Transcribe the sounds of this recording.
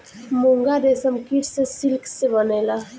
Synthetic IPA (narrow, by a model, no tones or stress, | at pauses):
moŋɡad̪eːsəmkiʈsesɪlksebəneːla